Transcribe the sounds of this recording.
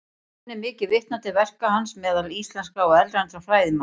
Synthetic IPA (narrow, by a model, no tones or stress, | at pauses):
ɪmɪːcɪvɪht̪nat̪ɪvɛr̥kahansmɛːðalist̪lɛnskaɔɛlɾajnɾafɾaːjðɪma